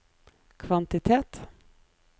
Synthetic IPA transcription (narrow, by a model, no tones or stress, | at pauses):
kʰvant̪ɪt̪ʰeːt̪